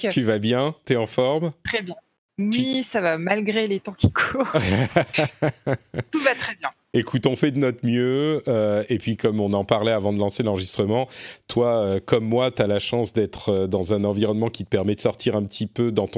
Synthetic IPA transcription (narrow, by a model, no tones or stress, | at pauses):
t̪yvabjɛ̃t̪yɛɑ̃fɔʁmt̪χɛbjɛ̃ | wisavamalɡʁelet̪ɔ̃kʲʰi̥kʰuʁ | t̪uvat̪χɛbjɛ̃ | ekut̪ɔ̃fɛd̪ənɔt̪mjøøepɥikɔmɔ̃nɑ̃paʁlɛavɑ̃d̪əlɑ̃selɑ̃ʁəʒist̪χəmɑ̃t̪waøkɔmːwat̪yalaʃɑ̃sd̪ɛt̪χəd̪ɑ̃zɛ̃nɑ̃viʁɔnmɑ̃kʲi̥t̪əpɛʁmɛd̪əsɔʁt̪ʰiʁɛ̃pət̪ʰipød̪ɑ̃t̪ɔ̃